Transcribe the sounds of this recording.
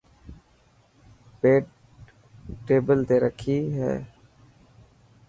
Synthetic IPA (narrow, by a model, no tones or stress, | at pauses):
peːʈ | ʈːeːbəlt̪eːɾəkʰiːɦɛ̰ː